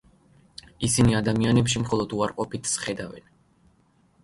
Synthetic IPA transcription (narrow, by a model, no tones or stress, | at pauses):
isiniad̪amianɛpʃimχɔlˠɔd̪uaɾqʼɔpit̪ʰsχɛd̪avɛ̰n